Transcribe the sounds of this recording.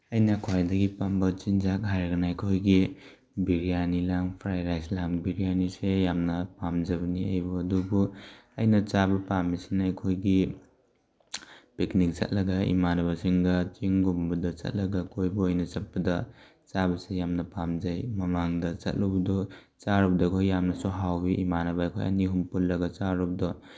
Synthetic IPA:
ɐjnɐkʰwajdɐɡipambɐt͡ʃind͡ʒak̚ɦajɾɐɡɐnaajkʰojɡi | biɾijanilaŋpʰɾajɾajslaŋbiɾijanisejamnɐpamd͡ʒɐbɐniajbuɐdubuɐ̰jnɐt͡ʃabɐpamːisenajkʰojɡi | piknik̚t͡ʃɐ̰t̚lɐɡɐḭmanɐβɐsiŋɡɐt͡ʃiŋɡumbɐdɐt͡ʃɐ̰t̚lɐɡɐkʰojbuojnɐt͡ʃɐt̚pɐdɐ | t͡ʃabɐsejamnɐpamd͡ʒajmɐmaŋdɐt͡ʃɐ̰t̚lubɐdɔ | t͡ʃaɾubdɐjkʰojːamnɐsuɦawbiʔimanɐbɐːjkʰo̰jɐ̰niɦumpulːɐɡɐt͡ʃaɾɔb̚dɔ

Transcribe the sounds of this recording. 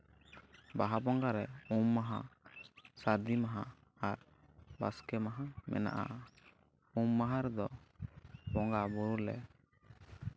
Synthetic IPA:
baɦabɔŋɡaɾɛumːaɦa̰ | saɾd̪imaɦã | aɾ | baskɛmaɦamɛ̰na̰ʔa̰ | umːaɦaɾɛd̪ɔ | bɔŋɡabuɾulɛ̰

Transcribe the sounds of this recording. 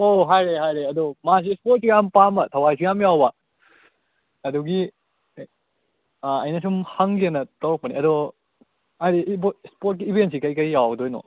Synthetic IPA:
oɦajɾeɦajɾeɐdɔmas̬ispɔt̚sijampamɐtʰɐwajs̬ʰijamjawba | ɐdɔɡi | aɐjnɐs̬umhɐŋɡenɐtɐwk̚pɐniɐdɔ | ajɾibspɔt̚kiːbʱens̬ikɐjkɐjːawdojnɔ̰

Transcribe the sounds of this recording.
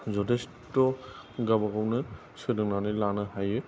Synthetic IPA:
zɔdes | tɔ | ɡabaɡawnɯ | sɯdɯŋnanilanɯɦajɯ

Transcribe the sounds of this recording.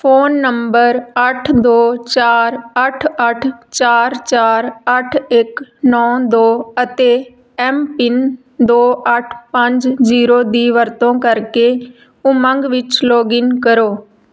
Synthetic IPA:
pʰoːnːəmbəɾəʈʰd̪oːt͡ʃaːɾəʈʰəʈʰt͡ʃaːɾt͡ʃaːɾəʈʰɪknɔ̃ːd̪oːət̪eː | ɛːmpɪn | d̪oːʔəʈʰpəɲd͡ʒziːɾoːd̪iːʋəɾt̪õːkəɾkeː | ʊməŋɡʋɪt͡ʃloːɡɪŋkəɾoː

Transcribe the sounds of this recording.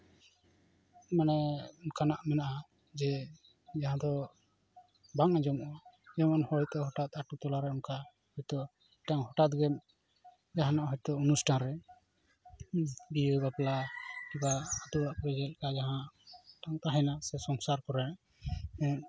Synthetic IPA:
manɛɔnkanaʔmɛnaʔa | d͡ʒɛ | d͡ʒaɦãd̪ɔ | baŋad͡ʒɔmʔɔd͡ʒɛmɔnhɔjt̪ɔɦɔʈat̪aʈut̪ɔlaɾɛɔnka | hɔjt̪ɔ | ʈaŋɦɔʈat̪̚ɡɛm | d͡ʒaɦanaʔɦɔjt̪ɔɔnusʈʰanɾɛ | biɡapɛlakibaːt̪uaʔpɾɛd͡ʒɛl̚kad͡ʒaɦãʈaŋt̪aɦɛnasɛsɔŋsaɾkɔɾɛnaʔ | ɛ

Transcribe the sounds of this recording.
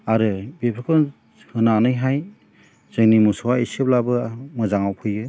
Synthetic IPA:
aɾɯbepʰɯkʰɯn | hɯnanɯjɦaj | z̥ɯŋnimusɔwaisep̚labɯmɯzaŋawpʰɯjɡɯ

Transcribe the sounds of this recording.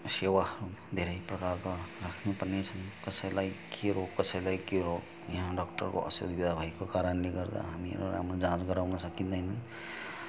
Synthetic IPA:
sewaɦʌɾud̪ʱeɾəjpɾəkaɾkɔɾakʰnupəɾnet͡ʃʰʌnkʌsəjlajkʰeɾoɡkːʌsəjlajkeɾoɡ | jʌɦãɖɔkʈə̰ɾko̰ə̰so̰d̪bid̪ʱabʱajkokaɾənleɡʌɾd̪a̰ɦamiḛɾo̰ɾa̰mɾad͡ʒãt͡ʃɡəɾawnʌsʌkind̪aɦnn

